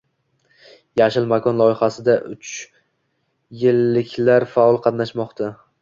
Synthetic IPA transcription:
jaʃɪlmakʰɒnlˠɒɪχasɪd̪aʔʊt͡ʃ | jɪlːɪkʲʰlaɾfaɒlˠqʰɑt̪naʃmɒqt̪ʰa

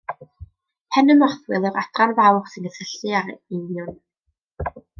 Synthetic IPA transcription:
pʰɛnəmɔrθwɪlˠɪɾad̥ranvawχsɨnəsəɬɨaɾɪnjʊn

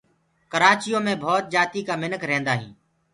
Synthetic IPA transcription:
kəɾaːt͡ʃɪjõːmẽːbʱɔːt̪̚d͡ʒaːt̪iːkaːmɪnəkɾɛ̃ːnd̪aːɦḭ̃ː

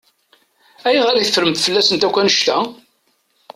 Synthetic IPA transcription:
æjʁæɾiθəfɾəmt̪fəlːæsənt̪ækʷːænəʃt̪æ

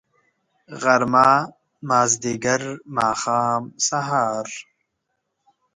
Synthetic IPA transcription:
ɣɐɾmaː | maːzd̪iɡɐɾmaːxaːmsaɦaːɾ

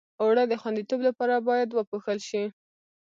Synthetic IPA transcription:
oɽəd̪əxwand̪it̪oblapɑɾabɑjad̪wəpoxəlʃi

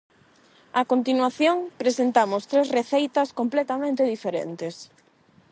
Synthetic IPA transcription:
akont̪inwaθjoŋpɾesent̪amʊst̪ɾezreθejt̪ɐskomplet̪amẽnt̪eðifeɾḛnt̪es

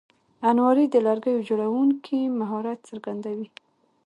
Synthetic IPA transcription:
anwɑɾid̪əlaɾɡəjod͡ʒoɽawuŋkʰimaɦɑɾat̪səɾɡand̪awi

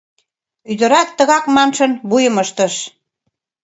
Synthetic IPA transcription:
yd̪ə̆ɾɑt̪ːə̆ɣɑkmɑnʃɤ̆nβujə̆məʃt̪ə̆ʃ

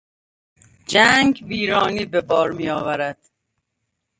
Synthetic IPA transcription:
d͡ʒæŋɡbiːɾɒːniːbebɒːɾmiːjɒːvæɾæd̪̥

